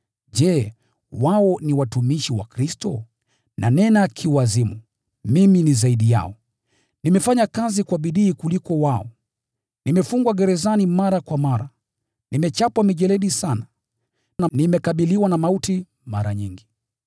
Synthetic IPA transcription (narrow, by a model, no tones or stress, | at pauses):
ʄɛː | waɔniwatumiʃiwa̰kɾistɔ | nʔa̰nɛnakʰiwazimu | miminizaiɗija̰ɔ | nimɛfaɲakazikwaɓiɗiːkulikɔwaɔ | nimɛfuŋɡwaɡɛɾɛzanimaɾakwamaɾa | nimɛt͡ʃapwamiʄɛlɛɗisana | nanimɛkaɓiliwanamauti | maɾaɲiŋɡi